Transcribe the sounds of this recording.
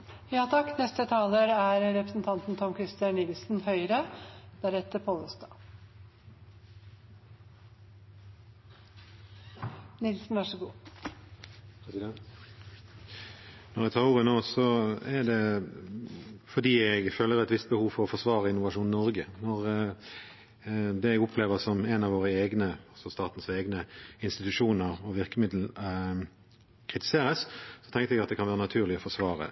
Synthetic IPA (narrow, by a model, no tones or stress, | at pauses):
jɑːt̪ʰɑkːnɛst̪ət̪ʰɑːləɾæɾɾɛpɾəsn̩t̪ʰɑnt̪n̩t̪ʰɔmkʰɾɪst̪ənɪlsn̩hœʏɾəd̪̥æɾɛt̪ːəɾpʰoːləst̪ɑː | nɪlsn̩ʋɑʂəɡuː | nɔʁæt̪ʰɑːʁuːʁənoːsɔæʁd̪ɛ | fɔd̪iːɛɡføːlːəɾɛt̪ʋɪst̪̚bəhuːʋfɔɾɔfɔʁʂʋɑːʁəɪnːʊʋɑʂuːnɪnɔɾɡənɔʁ | d̪ɛɛɡʊpʰleːʋəsɔmɛnɑʋoːʁəeːɡnəɑlsɔst̪ɑːt̪n̩seːɡnəɪnst̪ɪt̪ʉʂuːnəʁɔʋɪʁkəmɪd̪l̩ | kʰʁɪt̪ɪ̥seːɾəssɔt̪ʰɛŋt̪əɛɡɑt̪d̪ɛkʰɑnʋæːʁənɑt̪ʰʉːʁlɪɔfɔʂʋɑːʁə̰